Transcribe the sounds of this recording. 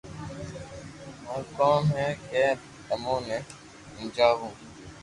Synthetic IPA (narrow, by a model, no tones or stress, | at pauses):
ɦõːkoːmɦɛ̃ːkẽː | əmõːnɛ̃ː | ɪ̃nd͡ʒaːɦũː